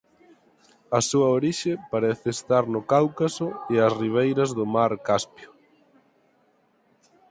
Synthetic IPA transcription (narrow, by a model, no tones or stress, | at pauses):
ɐsuɐoɾiʃepaɾɛθɪːst̪aɾnʊkawkasʊeɐsriβ̞ejɾɐzðʊmaɾkaspjʊ